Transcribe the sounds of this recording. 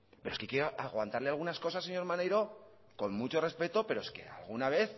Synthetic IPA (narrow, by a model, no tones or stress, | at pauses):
peɾoskekeoʔaɣwant̪aɾle̞alɣ̞unasko̞sasːe̞ɲo̞ɾmanejɾo̞ | ko̞nmut͡ʃo̞re̞spe̞t̪o̞pe̞ɾoeske̞̰a̰lɣunaβe̞θ